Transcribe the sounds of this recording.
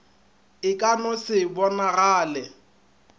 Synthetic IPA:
ɪkʼanɔsɪbɔnaɣaːlɛ

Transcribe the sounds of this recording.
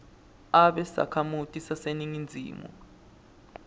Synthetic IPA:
aɓɛsa̰kʰamutʼisaseniŋind͡zʱḭːmṵ

